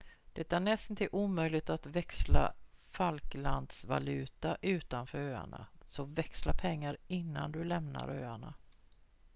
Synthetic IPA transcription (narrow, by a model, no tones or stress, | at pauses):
d̪̥ɛt̪ːaɳɛst̪nt̪ɪʔuːmœjlɪɡ̚t̪at̪vɛksla̰falkland̪sva̰lʉ̟ːt̪aʔʉ̟ːt̪anfœːɾøːa̰ɳa̰sɔvɛkslapʰɛŋːaɾɪnːa̰nd̪ɵlɛmna̰ɾøːaɳa